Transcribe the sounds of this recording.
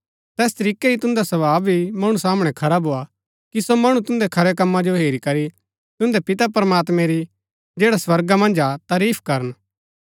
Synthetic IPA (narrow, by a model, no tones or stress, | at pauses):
t̪ɛːst̪ɐɾiːkeit̪ʊ̃nd̪asɐbaːbbʱimɐɽ̃usaːmɽ̃ɛkʰɐɾabʱɦoːa | kisomɐɽ̃ũt̪ʊ̃nd̪ɛkʰɐɾɛkɐmːad͡ʒoɦeːɾikɐɾi | t̪ʊ̃nd̪ɛpɪt̪apɾəmaːt̪mɛ̃ɾi | d͡ʒeːɽaswɐɾɡamɐ̃nd͡ʒat̪aːɾiːpʰkɐɾən